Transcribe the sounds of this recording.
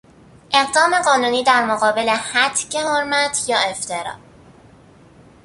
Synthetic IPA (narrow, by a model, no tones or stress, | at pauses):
ʔe̞ɣd̪ɒːme̞ɢɒːnuːniːd̪æɾmoɣɒːbe̞le̞hæt̪ʰcehoɾmæt̪ʰjɒːe̞ft̪ʰe̞ɾɒ̰ː